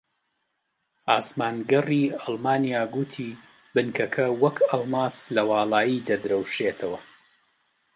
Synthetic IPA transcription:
aːsmaːnɡɐriɑlˠmaːnijaːɡut̪ʰiː | bɨnkʰɐkʰɐwɐkʰɐlˠmaːslɐwɑːlˠaːjid̪ɐd̪ɾɐwʃet̪ʰɐwɐ

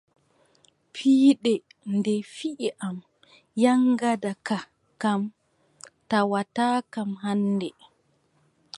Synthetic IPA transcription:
pʰiːɗɛndɛfiʔiʔam | jaŋɡadaka | kam | tawataːkamɦanːdɛ

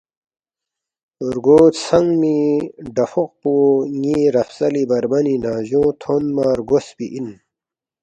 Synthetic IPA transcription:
uɾɡoːt̪sɐŋɡmiɖɐfuq̚poːŋiɾɐfsɐlibɐɾbɐninaːʑõːt̪ʰonmaɾɡosbiʔin

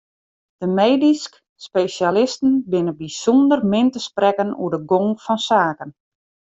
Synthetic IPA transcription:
d̥əmejdisk | spejʃalɪstən̩bɪnəbisundərmɪntəsprɛkənṵədəɡoŋfɔnsaːkən

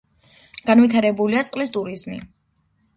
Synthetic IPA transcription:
ɡ̥anvit̪ʰaɾɛbuliat̪sʼqʼlist̪ʼuɾizmḭ

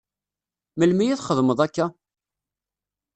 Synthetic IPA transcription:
məlmijiθχəðˤməðˤækːæ

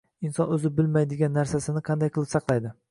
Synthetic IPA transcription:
ɪnsɒnɵzɪbɪlmajd̪ɪɡʲanːaɾsasɪnɪqʰɑnd̪ajqʰɨlˠɪpsɑqlˠajd̪ɪ

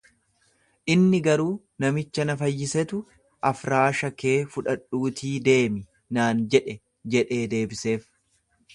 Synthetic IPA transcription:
ʔɪnːɪɡɐɾuː | nɐmɪt͡ʃːɐnɐfɐjːɪsɛt̪ʊ | ʔɐfɾaːʃɐke̞ːfʊᶑɐᶑuːt̪ʰiːd̪e̞ːmɪ | naːnd͡ʒɛᶑɛ | d͡ʒɛᶑe̞ːd̪e̞ːbɪse̞ːf

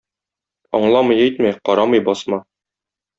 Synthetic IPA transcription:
ɒ̰ɴlˠɑmɤ̆jæjt̪mæjqɒɾɑmɤjbɒsmɑ

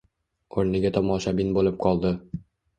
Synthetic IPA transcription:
oɾniɡæt̪ɒmɒɕɑbinbulˠɤp̚qʰɒlˠd̪ɤ

